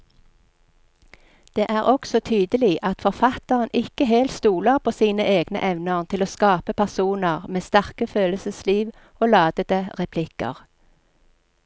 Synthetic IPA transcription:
d̪̥eːʔæːʁɔksɔt̪ʰyːd̪əliːʔɑt̪fɔʁfɑt̪əʁənʔɪkəɦeːlt̪st̪uːləʁpʰoːsiːnəʔeːɡnə̰ʔɛʋnəʁnt̪ʰɪloːskɑːpəpʰæʁsuːnəʁmeːst̪æʁkəføːləsəsliːʋ | oːlɑːd̪̥əd̪əʁɛpʰlɪkə̰ʁ

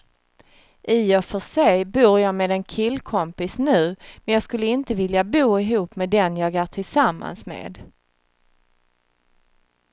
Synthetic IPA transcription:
ʔɪɔfœʂɛjbuːɾjɑːmeːd̪ɛnkʰɪlːkʰɔmpɪsnʉ̟ːmɛnjɑːɡskɵlːəɪnt̪əvɪljabuːɪɦuːpmɛːd̪ɛnjɑːɡæːʈʰɪlsamːa̰nsmḛːd̪

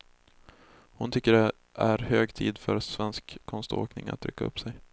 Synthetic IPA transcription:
hʊnt̪ʰʏkːəɖɛ | ʔæɾhøːɡt̪ʰiːd̪fœɾsvɛnskːʰɔnst̪o̰ːknɪŋa̰t̪ʰːɾʏkʰːaɵ̰pːsɛj

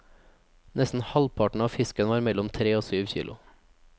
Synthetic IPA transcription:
nʔɛst̪n̩hɑlpʰɑʈɳ̩ɑːfɪskənəʋɑːɾmɛlɔmt̪ʰɾeːoːsyːʋçḭːlʊ

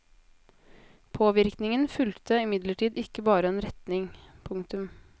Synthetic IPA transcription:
pʰoːʋɪɾknɪŋənfʉlt̪ʰəɪmɪd̪ləʈʰiːd̪ɪkəbɑːɾəeːnɾɛt̪nɪŋpʰʊŋkt̪ʉm

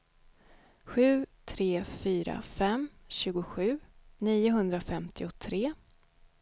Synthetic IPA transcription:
ɧʉ̟ːt̪ʰɾeːfyːɾa̰fɛmɕʉ̟ːɡʊɧʉ̟ːniːʊɦɵnd̪ɾafɛmt̪ʰɪʊt̪ʰɾeː

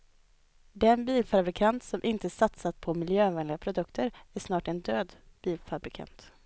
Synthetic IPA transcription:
d̪ɛnbiːlfabɾɪkʰant̪sɔmʔɪnt̪əsat̪sat̪pʰɔmɪljøːvɛnlɪɡapʰɾʊd̪ɵkt̪əɾæʂnɑːʈɛnd̪øːd̪ | b̥iːlfabɾɪkʰa̰nt̪

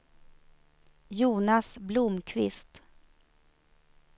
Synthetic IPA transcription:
juːnasblʊmkʰvɪst̪

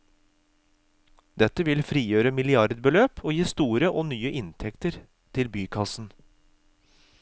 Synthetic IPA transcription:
d̪ɛt̪əʋɪlfɾiːjøːɾəmɪlɪɑɾd̪bəløːpʰoːjiːst̪uːɾəʔoːnyːəʔɪnt̪ʰɛkt̪əɾ | t̪ʰɪlbyːkʰɑsn̩

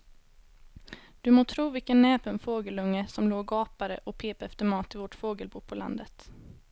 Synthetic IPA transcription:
d̪̥ɵmoːt̪ʰɾuːvɪlkənːɛːpʰɛnfoːɡəlɵŋːəsɔmloːɡɑːpaɾə̰ʔɔpʰeːpaɛft̪əɾmɑːt̪ʰːɪlvɔːʈfoːɡəlbuːpʰɔla̰nd̪ət̪

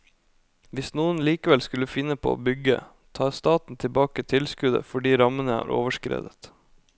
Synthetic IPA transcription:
ʋɪsnuːənliːkəʋɛlskʉləfɪnːəpʰo̰ːʔo̰ːbʏɡə̰ | t̪ʰɑːst̪ɑːt̪n̩t̪ʰɪbɑːkət̪ʰɪlskʉd̪ə̰fɔɖiːɾɑmənəæ̰ːɾʔoːʋəʂkɾḛːd̪ət̪

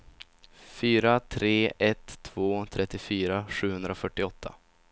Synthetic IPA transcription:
fyːɾat̪ʰɾeːʔɛt̪ʰːvoːt̪ʰɾɛt̪ːɪfyːɾaɧʉ̟ːhɵnd̪ɾaɔfœʈːɪɔt̪ʰːa̰

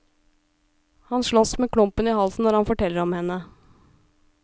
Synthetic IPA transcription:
hɑnʂɭɔsmeːkʰlʊmpənɪhɑlsn̩ːɔɾhɑnfɔʈɛlːəɾɔmhɛnːə

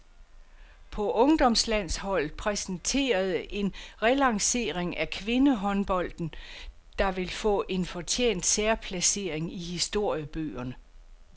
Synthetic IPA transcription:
pʰɒ̽ʔɔ̽ŋd̥ɒ̽mslæn̰shɒ̽l̰ð̩ˠpʰʁɛsn̩t͡sʰe̝̰ːɐð̞ˠəʔe̝nʁɛlɑ̈ŋse̝̰ːʁeŋʔækʰʋe̝nəɦɒ̽nb̥ɒ̽l̰d̥n̩ | d̥ɑ̈ʋe̝lfɔ̰̽ːʔe̝nfɒ̽t͡ɕʰḛːn̰d̥seɐpʰlæse̝̰ːɐ̰eŋihisd̥o̝ɐ̰jəb̥ø̰ːɐnə

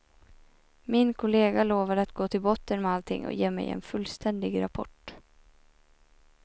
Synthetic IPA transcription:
mɪnkʰʊleːɡaloːvad̪əat̪ɡoːt̪ʰɪlbɔt̪ːənmɛalt̪ʰɪ̰ŋːɔ̰jeːmɛ̰jɛ̰nfɵlːst̪ʰɛnd̪ɪɡɾapʰɔ̰ʈ

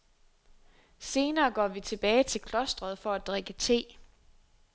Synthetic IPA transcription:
se̝ːnɐːɡ̥ɒ̰ːʋit͡sʰe̝b̥ɛːɪt͡sʰe̝lkʰlɒ̽sd̥ʁɐð̞̩ˠfɒ̽æd̥ʁeɡ̥ət͡sʰe̝̰ː

